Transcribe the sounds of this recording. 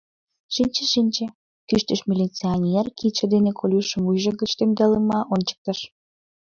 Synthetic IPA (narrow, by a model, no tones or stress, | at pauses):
ʃinʲt͡ɕĕʃinʲt͡ɕĕ | kyʃt̪əʃmʲilʲit͡sionʲerkit͡ɕə̆d̪enekʰolʲuʃəmujʒə̆ɡə̆t͡ɕt̪emd̪ɑləmɑʔont͡ɕə̥k̚t̪ə̆ʃ